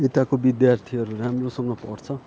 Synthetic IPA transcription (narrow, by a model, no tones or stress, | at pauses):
et̪akobid̪jart̪ʰiʌɾuramrosʌŋʌpʌ̰rt͡sʰʌ